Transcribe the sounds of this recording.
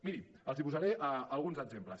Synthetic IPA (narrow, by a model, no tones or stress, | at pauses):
minim | əlˠzipuzaɾeʔəalˠɣunzəɡzempləs